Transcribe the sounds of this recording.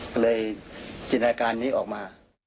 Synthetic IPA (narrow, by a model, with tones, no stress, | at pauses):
lɤː˧jt͡ɕi˧nːaː˧kaː˧nːiː˦˥ʔɔː˨˩k̚maː˧